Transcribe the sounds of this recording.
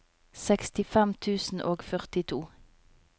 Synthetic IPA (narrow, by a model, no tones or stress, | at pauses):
sɛkst̪ɪfɛmt̪ʰʉːsn̩ʔoːɡfœʁt̪ɪt̪ʰuː